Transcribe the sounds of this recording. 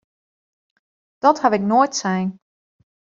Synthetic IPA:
d̥ɔthaʋɪknoːjtsɛjn

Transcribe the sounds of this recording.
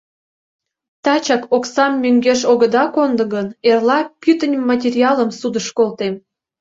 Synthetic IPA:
t̪ɑt͡ɕɑkoksɑmːøŋɡeʃoɣəd̪ɑkond̪ə̆ɣənerlɑpyt̪ə̆nʲmːɑtʲerʲiɑlə̆msud̪əʃkolt̪em

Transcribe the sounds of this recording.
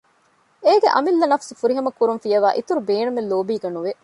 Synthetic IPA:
eːɡeʔɐ̰milːɐnɐfsufuɾiɦɐmɐkːuɾunfijɐʋaːʔit̪uɾubeːnumelːoːbiːɡɐnuʋe

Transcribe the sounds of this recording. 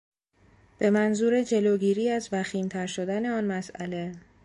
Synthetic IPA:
b̥e̞mænzuːɾe̞d͡ʒe̞loːɡiːɾiːæzvæxiːmt̪ʰæɾʃo̞d̪æne̞ɒːnmæsʔæle̞

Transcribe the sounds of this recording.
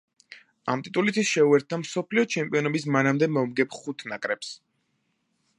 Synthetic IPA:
a̰mt̪ʼit̪ʼulit̪ʰisʃɛuɛɾt̪̚d̪amsɔpʰliɔt͡ʃʰɛmpʼiɔnɔbismanamd̪ɛmɔmɡɛpʰχut̪ʰnakʼɾɛps

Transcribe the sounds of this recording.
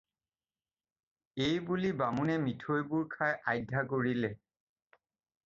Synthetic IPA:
ejbulibamunɛmitʰojbuɹkʰajʔajdʱakoɹilɛ

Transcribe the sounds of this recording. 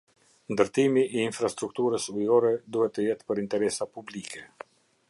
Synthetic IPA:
nd̪əɾt̪imiʔiːnfɾast̪ɾuk̚t̪uɾəsujɔɾɛd̪uhɛt̪ːəjɛt̪pəɾint̪ɛɾɛsapublikʰɛ

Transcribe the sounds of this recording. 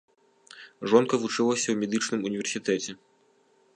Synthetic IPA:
ʐɔnkɐvut͡ʂɨlˠɐsʲɐwmʲɛd̪ɨt͡ʂnɨmunʲivʲɛrsʲit̪ɛt͡sʲɛ

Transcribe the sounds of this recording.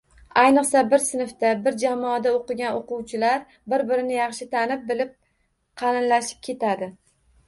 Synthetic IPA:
ajnɨqsabɪɾsɪnɪft̪abɪɾd͡ʒamɒːd̪aoqɨɡʲanoqʊwt͡ʃʰɪlaɾ | bɪɾbɪɾɪnɪjɑχʃɪt̪ʰanɪp̚bɪlɪp̚ | qʰɑnɪnlaʃɪ̥p̚kʲʰe̞t̪ʰad̪ɪ

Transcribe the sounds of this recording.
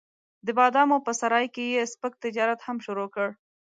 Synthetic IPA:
d̪əbɑd̪ɑmopəsaɾɑjkejespək̚t̪ɪd͡ʒɑɾat̪hamʃuɾokəɽ

